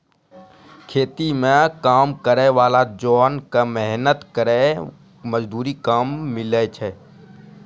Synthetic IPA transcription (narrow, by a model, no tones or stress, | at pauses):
kʰeːt̪imẽkaːmkəɾeʋaːlad͡ʒɔːnkamɛɦnət̪kəɾe | məd͡ʒd̪ʱuːɾikaːmːɪlɛt͡ʃʰɛ